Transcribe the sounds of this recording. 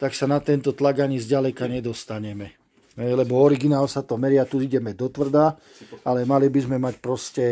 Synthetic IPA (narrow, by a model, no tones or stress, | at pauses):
t̪aksanat̪ɛnt̪ɔt̪laɡaɲizɟalɛkaɲɛd̪ɔst̪aɲɛmɛ | ɦɛjlɛbɔɔɾiɡinaːlsat̪ɔmɛɾɪat̪uiɟɛmɛd̪ɔt̪ʋr̩d̪a | alɛmalibizmɛmacpɾɔscɛ